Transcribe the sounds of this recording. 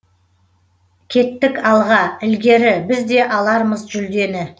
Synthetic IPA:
kʲʰe̞t̪ːɪkɑlˠʁɑɪlɡʲe̞ɾɪbɪzd̪e̞ʔɑlˠɑɾməzʒʏld̪e̞nɪ

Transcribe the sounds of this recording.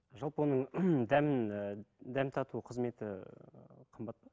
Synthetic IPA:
ʒɑlˠpəwo̞nəɴd̪æmɪnd̪æmt̪ʰɑt̪uəqʰəzme̞t̪ɪ | qʰəmbɑt̪̚pɑ

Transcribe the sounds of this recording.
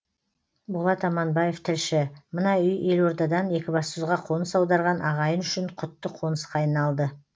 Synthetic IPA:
bʊlˠɑt̪ɑmɑnbɑje̞ft̪ʰɪlʃɪmənɑʏje̞lwo̞ɾd̪ɑd̪ɑne̞kʲɪbɑsʊzʁɑqʰo̞nəsɑwd̪ɑɾʁɑnʔɑʁɑjənʏʃɪɴqʰʊt̪ːəqʰo̞nəsqɑːjnɑlˠd̪ə

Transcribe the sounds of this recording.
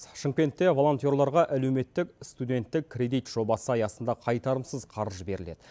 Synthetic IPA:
ʃəŋkʲe̞nt̪ːe̞vo̞lˠo̞nt̪jo̞ɾlˠɑɾʁɑʔæle̞wme̞t̪ːɪkst̪ud̪e̞nt̪ːɪkʲʰːɾʲe̞d̪ijt̪ʒ̥o̞bɑsəɑjɑsənd̪ɑqʰɑjt̪ɑɾəmsəzqʰɑɾəʒəbe̞ɾɪle̞̰d̪ɪ

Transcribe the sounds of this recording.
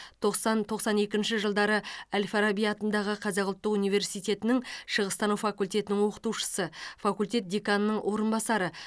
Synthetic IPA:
t̪ʰo̞qsɑnt̪ʰo̞qsɑne̞kʲɪnʃɪʒəlˠd̪ɑɾəælʲfaɾabijɑt̪ənd̪ɑʁəqʰɑzɑqʊlˠt̪ːəqunijve̞ɾsijt̪e̞t̪ɪnɪŋʃəʁəst̪ɑnufɑkulʲt̪ʲe̞t̪ɪnɪŋwo̞qə̥t̪uwʃə̥səfakulʲt̪e̞t̪̚d̪ekanənəɴwʔo̞ɾənbɑsɑɾə

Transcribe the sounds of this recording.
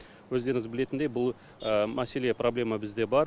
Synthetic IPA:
wɵzd̪e̞ɾɪŋɪzbɪle̞t̪ɪnd̪e̞jbʊlˠ | əmæse̞le̞pro̞blʲe̞mabɪzd̪e̞bɑɾ

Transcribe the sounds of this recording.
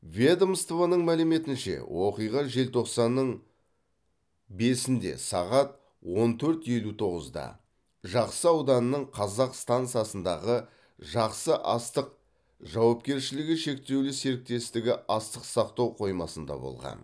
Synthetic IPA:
vʲed̪omst̪vanəɴmælɪme̞t̪ɪnʃe̞̰wʔo̞qijʁɑʒe̞lt̪ʰo̞qsɑnːəɴ | be̞sɪnd̪e̞̰sɑ̰ʁɑt̪̚ | wo̞nt̪ʰɵɾt̪je̞lut̪ʰo̞ʁəzd̪ɑ̰ | ʒɑqsəɑwd̪ɑnənːəɴqʰɑzɑqst̪ant̪sɨjɑsənd̪ɑʁə | ʒɑqsəʔɑst̪əq | ʒɑwɑpkʲe̞ɾʃɪlɪɡʲɪʃe̞k̚t̪e̞wlɪse̞ɾɪk̚t̪e̞st̪ɪɡʲɪɑst̪əqsɑqt̪ɑwqʰo̞jmɑsənd̪ɑ̰bo̞̰lˠʁɑ̰n

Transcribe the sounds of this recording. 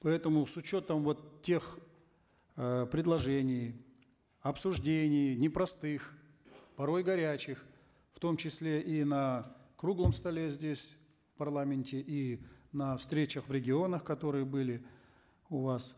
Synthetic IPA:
pɐɛt̪əmʊsʊt͡ɕo̞t̪əmvo̞t̪tʲːe̞x | pɾʲɪd̪lˠɐʐɛnʲɪj | ɐpsʊʐdʲenʲɪjnʲɪpɾɐst̪ɨx | pɐɾo̞jɡɐɾʲæt͡ɕɪx | ft̪o̞mt͡ɕɪsʲlʲeʔinɐkɾuɡlˠəmst̪ɐlʲezʲdʲesʲ | fpɐrlˠamʲɪnʲtʲɪʔinɐfst̪ɾʲet͡ɕəxvɾʲɪɡʲɪo̞nəxkɐt̪o̞ɾɨjəbɨlʲɪ | ʊvas

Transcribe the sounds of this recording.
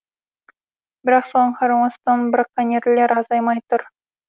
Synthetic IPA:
bɪɾɑqsoɴχɑɾɑmɑst̪ɑnbrɑkːanʲerleɾɑzɑjmɑjt̪ʊɾ

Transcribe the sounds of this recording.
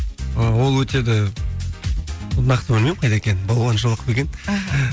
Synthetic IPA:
əwo̞lˠwɵt̪e̞d̪ɪ | nɑqt̪əbɪlmemqʰɑjd̪ekʲe̞nɪbɑlˠwɑnʃəlˠəqbeɡʲe̞n

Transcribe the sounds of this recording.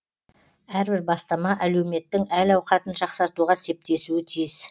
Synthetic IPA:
æɾbɪɾbɑst̪ɑmɑʔæle̞wme̞t̪ːɪŋælɑwqɑt̪ənʃɑqsɑɾt̪uʁɑse̞p̚t̪e̞suɪt̪ʰijɪz̥

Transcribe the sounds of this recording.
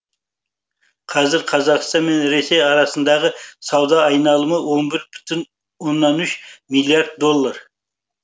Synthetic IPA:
qʰɑzɪɾqʰɑzɑʁst̪ɑnmenɾesejɑɾɑsənd̪ɑʁəsɑwd̪ɑːjnɑlˠəməwonbɪɾbɪ̥t̪ʰɪn | wonːɑnʏʃmilʲˠiaɾd̪̚d̪ːo̞lˠːɑɾ

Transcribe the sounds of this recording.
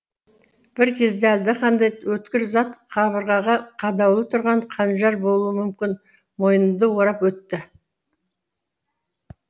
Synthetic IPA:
b̥ɪɾkʲʰe̞zd̪eæld̪ɪqʰɑnd̪ɑjwɵt̪kʲɪɾzɑt̪qʰɑβəɾʁɑʁɑqʰɑd̪ɑwlˠət̪ʰʊɾʁɑɴqʰɑnʒɑɾbo̞lˠuwəmʏmkʲɪn | mo̞jənəmd̪əwo̞ɾɑpwɵt̪ːɪ

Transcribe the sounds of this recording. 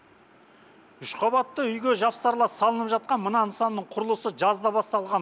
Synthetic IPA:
ʏʃqʰɑbɑt̪ːəʏjɡʲeʒɑpsɑɾlˠɑsɑlˠənəpʒɑt̪̚qɑnmənɑnsɑnːəɴqʰʊɾəlˠəsəʒɑzd̪ɑbɑst̪ɑlˠʁɑn

